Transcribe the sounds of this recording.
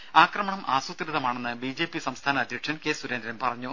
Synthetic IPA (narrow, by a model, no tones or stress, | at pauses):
aːkrɐmɐɳɐmʔaːsut̪ːɾɨðɐmaːɳenːɨbid͡ʑe̞ːpisɐmst̪ʰaːnɐɐd̪ʱjiʈʂɐnke̞ːsuɾe̞nd̪ɾɐmpɐrɐɲːu